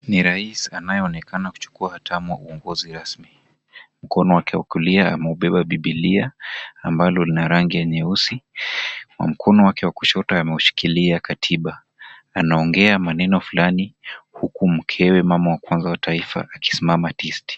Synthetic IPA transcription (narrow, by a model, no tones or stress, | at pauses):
niɾaisanajɔɔnɛkanaku̥t͡ʃu̥kuahatʰamuwa̰uɔŋɡɔziɾasmi | m̩kɔnɔwakɛwakuliaa̰mɛuɓɛɓaɓiɓiliaːmbalɔlinaɾaŋɡijaɲɛusi | wa̰m̩kʰɔnɔwakɛwakuʃɔtaːmɛuʃi̥kiliakatʰiɓa | anaɔŋɡɛamanɛnɔfulanihukum̩kʰɛwɛmamɔwakwanzawatʰaifa̰aki̥simamatisti̥